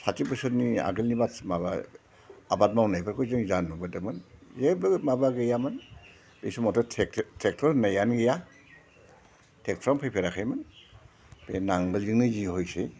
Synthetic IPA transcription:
satipɯsɯtnia̰ɡɯlnibatmaba̰ | abat̚mawnajbaɾkʰɔjzɯŋzanmɔbɯdɯmɯnzeblɯɡmabaɡɯjamɯn | bejsumɔtɔtʰek̚tʰɔnajanɡeja | tʰek̚tʰɾɔmpʰajpʰeɾakʰajmɯn | benaŋdɯziŋnɯzihɔjse

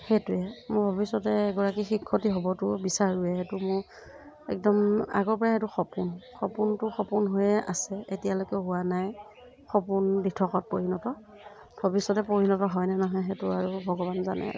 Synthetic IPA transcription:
hɛtʊɛmʊɹbʱɔbisɔtɛːɡɔɹakixikʰːɔtiɦobɔtʊbisaɹuɛhɛtʊmʊɹ | ɛ̰k̚dɔma̰ɡɔɹpɔɹaɦetuxɔpʊnxɔpuntʊxɔpʊnɦojɛʔa̰sɛetijalojkɛɦʊwanaj | xɔpʊnbitʰɔkɔt̚poɹinɔtɔ | bʱɔbisːɔtɛpoɹinɔtɔɦɔjnɛnɔɦɔjɦɛtʊaɹubʱɔɡɔbanza̰nɛ̰a̰

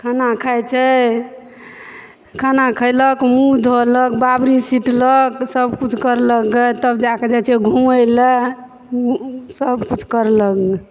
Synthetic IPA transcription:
kʰanakʰajt͡ʃʰɛ | kʰanakʰəjləkmud̪ʱolək̚babɾisiʈləksəbkut͡ʃʰkəɾləɡət̪əbd͡ʒaked͡ʒat͡ʃʰɛɡʱuəjlɛ | səbkut͡ʃʰkəɾləɡe

